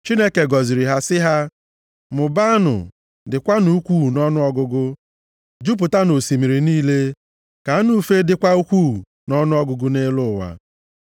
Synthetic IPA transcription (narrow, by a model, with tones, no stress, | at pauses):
t͡ʃi˦ne˦ke˨ɡɔ˨zi˨ɾi˨ɦa˦sɪ˦ɦa˦ | mʊ˨ba˦a˦nʊ̰˨ | dɪ˨kʷa˦nu˨u˦kʷu˦˨nɔ˦nʊ˦ɔ˦ɡʊ˦ɡʊ˦ | d͡ʒu˦p̬ʊ˨ta˦no˨si˨mi˨ɾi˨niː˦le˦ | ka˨˦nu˦fe˦dɪ˦kʷa˦u˦kʷu˦˨ | nɔ˦nʊ˦ɔ˦ɡʊ˦ɡʊ˦ne˦lʊ˦˨wa̰˨